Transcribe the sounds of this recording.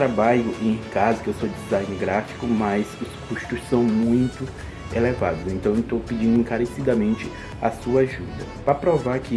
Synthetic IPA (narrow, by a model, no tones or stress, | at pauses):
t̪ɾabaʎʊʔẽj̃kazɐkewsod͡ʒizajnɪɾɡɾafi̥kʊmɐzʊskuʃt̪ʊssɐ̃w̃mũj̃t̪ʊ | elevad̪ʊsẽnt̪ɐ̃w̃ewt̪owpid͡ʒĩnd̪ʊẽkaɾesid̪ɐmẽnt͡ʃɪ | a̰suɐaʒud̪ɐ | pɾɐpɾovaɾkɪ